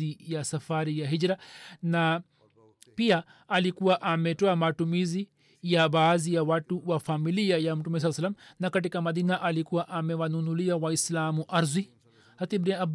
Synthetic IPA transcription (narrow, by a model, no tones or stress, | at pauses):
ijasafaɾijaɦid͡ʒɾana | piaː | likuwaʔamɛtɔamatumizi | jabaːzijawatuwafamiliajam̩tumɛs̬alːsalːamnakat̬ikamaðinaʔalikuwaʔamɛwanunuliawaislamuʔaɾzwi | hat̪ibɾiab